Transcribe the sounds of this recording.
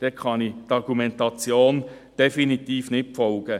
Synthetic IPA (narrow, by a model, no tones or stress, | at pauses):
d̥ɛkʰɑnitɑʁɡ̥umɛntɑt͡sjoːn | d̥efinit̪iːfnɪtpfɔlɡ̥ə